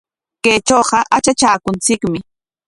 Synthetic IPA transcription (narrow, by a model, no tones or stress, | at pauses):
keːt͡ʃoːɢɑʔat͡ʃat͡ʃaːkʊnt͡sɪkmɪ